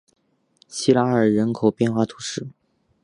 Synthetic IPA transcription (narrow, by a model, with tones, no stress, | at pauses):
ɕi˥la˧˥ə˞˨˩ɻə˧˥nkʰo˨˩ʊpjɛ˥˧nxwa˥˩t̪ʰu˧˥ʂɻ̩˥˩